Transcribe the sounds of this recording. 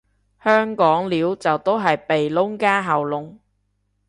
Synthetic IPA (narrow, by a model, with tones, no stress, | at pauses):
hœː˥ŋkɔː˨˥ŋliː˨˥wt͡sɐ˨wt̪o˥wɦɐ˨jpe˨jlʊ˥ŋkaː˥ɦɐ˨wlʊ˨ŋ